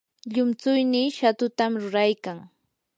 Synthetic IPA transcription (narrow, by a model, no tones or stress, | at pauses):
ʎʊmt͡sʊjniːʃat̪ʊt̪amɾʊɾajkaŋ